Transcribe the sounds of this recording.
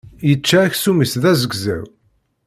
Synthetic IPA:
jət͡ʃːæːçsumisðæzəɡzæ̰w

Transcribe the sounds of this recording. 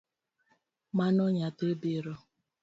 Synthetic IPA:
manɔɲatebiɾɔ

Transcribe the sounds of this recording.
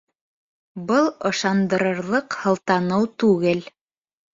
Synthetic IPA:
bɤlˠɤ̆ʃɑnd̪ɤ̆ɾɤ̆ɾlˠɤqhɤ̆lˠt̪ɑnɤwt̪ʉɡɘl

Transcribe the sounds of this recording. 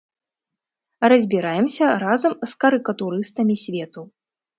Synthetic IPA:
rɐzʲbʲiɾajɛmsʲɐɾazɐmskɐɾɨkɐt̪uɾɨst̪ɐmʲisʲvʲɛt̪u

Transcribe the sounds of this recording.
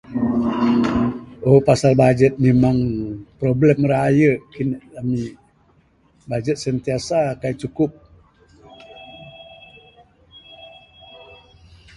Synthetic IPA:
opasalbad͡ʒət̪̚memaŋpɾoblɛmɾaajəʔkinʔami | bad͡ʒət̪̚sənt̪iasakaiʔt͡ʃukʊp̚

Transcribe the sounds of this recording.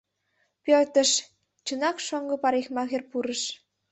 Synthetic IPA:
pørt̪ə̆ʃ | t͡ɕə̆nɑkʃoŋɡɤ̆pɑɾexmɑɣerpuɾə̆ʃ

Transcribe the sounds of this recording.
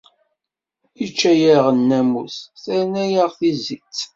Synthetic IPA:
it͡ʃːæjəʁənːæmusθæɾnæjəʁθizit͡sː

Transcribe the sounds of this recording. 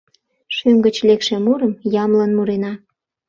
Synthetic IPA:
ʃymɡə̆t͡ɕlekʃemuɾəmjɑmlənmuɾenɑ

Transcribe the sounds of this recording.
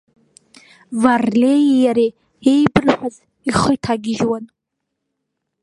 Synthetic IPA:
varlejjaɾi | ejbɨrħʷᶣaz | iχəjtʰaɡʲɪʒwan

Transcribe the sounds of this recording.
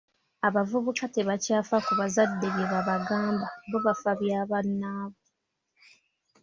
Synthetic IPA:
aβavuβukate̞βacaːfakuβazadːe̞βjeβaβaɡaːmbaɡoβafaβjaːβanːaːβo

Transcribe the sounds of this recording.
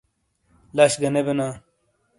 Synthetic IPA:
laɕɡɐnebena

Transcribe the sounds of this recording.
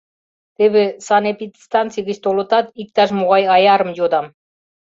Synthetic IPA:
t̪eβesɑnepit̪st̪ɑnt͡sijɣɘt͡ɕt̪olɤ̆t̪ɑt̪ik̚t̪ɑʃ̬moʁɑjɑjɑɾɤ̆mjod̪ɑm

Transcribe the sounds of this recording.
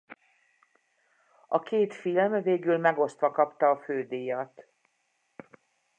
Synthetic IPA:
ɒkeːt̪filmveːɡylmɛɡo̞st̪ʋɒkɒpt̪ɒːføːd̪eːjɒt̪

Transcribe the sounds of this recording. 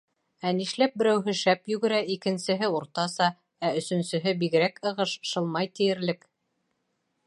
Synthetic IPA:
æniʃlæp̚bɘ̆ɾæwɦɘʃæpjɵ̆ɡɘ̆ɾæikɘ̆nsɘ̆ɦɘuɾt̪ɑsɑ | æɵ̆sɵ̆nsɘ̆ɦɘbiɣɘ̆ɾækɤ̆ʁɤʃʃɤ̆lˠmɑjt̪ĭjɘ̆ɾlɘk

